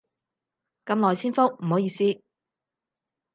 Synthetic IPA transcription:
kɐ˨˧mlɔː˨˩jt͡sʰiː˥nfo˥k̚m̩˨˩ɦo˨˥wjiː˧siː˥

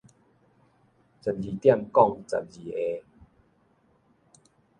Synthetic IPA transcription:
t͡sə˨˩nd͡ʑi˨˩t̪ja˥˧˨mkɔ˥˧˨ŋt͡sa̰˨˩n̚d͡ʑi˨˩e˧

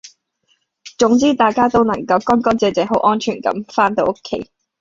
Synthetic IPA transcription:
t͡sʊ˨˥ŋt͡siː˥t̪aː˨jkaː˥t̪o˥wnɐ˨˩ŋkɐ˧wkɔː˥nkɔː˥nt͡sɛː˨˧t͡sɛː˨˧ɦo˨˥wʔɔː˥nt͡ʃʰyː˨˩nkɐ̰˨˧˥mfaː˥nt̪o˨˧wʔo˥kʰːḛ˧˥j

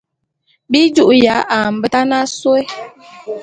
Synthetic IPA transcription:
bi˦d͡ʒu˦ʔja˨˦ʔa˨m̩˨bə˦ta˦na˦swe˦

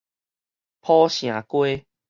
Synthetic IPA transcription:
pʰɔ˦ɕj̃ã˨˩kwe˦

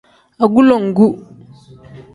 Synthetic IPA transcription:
a˨ɡu˦lɔ˨ŋ̩˨ɡu˦

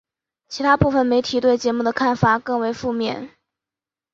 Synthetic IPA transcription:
t͡ɕʰi˧˥t̪ʰa˥pu˥˩fə˨˩nme˧˥ɪt̪ʰi˨˩˦t̪we˥˩ɪt͡ɕjɛ˧˥mu˥˩ə˩kʰa˥˩nfa˨˩kɤ˥˩ŋwe˧˥ɪfu˥˧mjɛ̰˥˩n

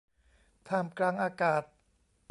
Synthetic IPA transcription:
t̪ʰaː˧˩mklaː˧ŋʔaː˧kaː˨˩t̪̚

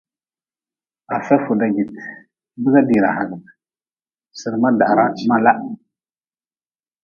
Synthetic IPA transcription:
a˨sa˦fu˨da˨ɡi˨t | bə˦ɡa˦di˨ɾa̰˨ha˨ɡ | sə˨ɾma˦da˨ʔɾa˦ma˦la˦ʔ

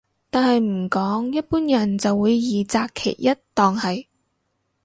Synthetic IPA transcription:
t̪aː˨nhɐ˨jm̩˨˩kɔː˨˥ŋjɐ˥t̚puː˥njɐ˨˩nt͡sɐ˨wːuː˨˧jːiː˨t͡saː˧kʰḛː˨˩jjɐ˥t̚t̪ɔː˨ŋhɐ˨j

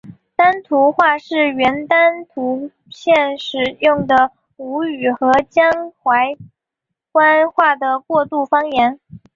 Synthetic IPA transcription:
t̪a˥nt̪ʰu˧˥xwa˥˧ʂɻ̩˥˩ɥɛ˧˥nt̪a˥nt̪ʰu˧˥ | ɕjɛ˥˩nʂɻ̩˨˩jʊ˥˩ŋd̪ə˩ | u˧˥y˨˩xɤ˧˥t͡ɕjɑ˥ŋxwa˧˥ɪ | kwa˥nxwa˥˩d̪ə˩kwɔ˥˧t̪u˥˩fɑ˥ŋjɛ˧˥n

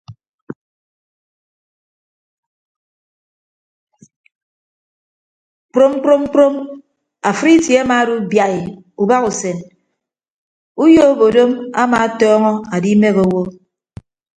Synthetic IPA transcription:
k͡pɾo˦m˦k͡pɾo˦m˦k͡pɾo˦m | a˨fɾi˦tje˨˦a˦maː˨˦du˦bja˨i˨ | u˨ba˦ku˨se˨n | u˦jo˦bo˨do˦ma̰˦ma˨˦tɔː˦ŋɔ˦a˨di˦me˦ɣo˨˦wo˦

